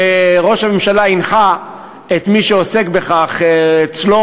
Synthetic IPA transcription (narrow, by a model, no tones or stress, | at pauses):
eʁo̞ʃhame̞mʃalainχa | et̪miʃeose̞kbeχaχeːt͡slo